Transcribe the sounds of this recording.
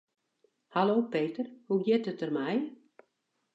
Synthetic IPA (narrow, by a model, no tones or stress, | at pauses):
haloːpeːtərhuɡjɪtətərmɛj